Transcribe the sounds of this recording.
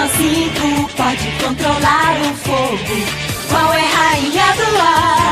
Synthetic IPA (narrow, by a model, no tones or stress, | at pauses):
ɐ̃siɡʊpɔd͡ʒɪkõnt̪ɾolaɾʊfoɡʊ | kwawɛɦaĩɐd̪ula